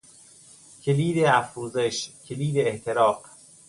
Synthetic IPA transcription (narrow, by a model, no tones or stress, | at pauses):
cʲʰeliːd̪eæfɾuːzeʃcʲʰeliːd̪eːht̪ʰe̞ɾɒːq